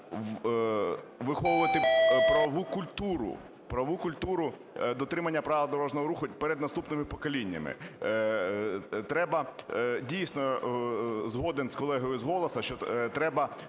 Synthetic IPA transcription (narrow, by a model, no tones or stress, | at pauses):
ʋɪxɔʋʊʋɐt̪ɪpɾɐʋukʊlʲt̪uɾʊ̰ | pɾɐʋukʊlʲt̪uɾʊ | d̪ɔt̪ɾɪmɐnʲːɐpɾɑʋʋɐd̪ɔɾɔʒnɔɦɔɾuxʊpɛɾɛd̪nɐst̪upnɪmɪpɔkɔlʲinʲːɐ̰mɪ̰ | t̪ɾɛbɐdʲijsʲnɔ | zɦɔd̪enskɔlˠɛɦɔjʊzɦɔlˠɔsɐʃt͡ʃɔt̪ɾɛbɐ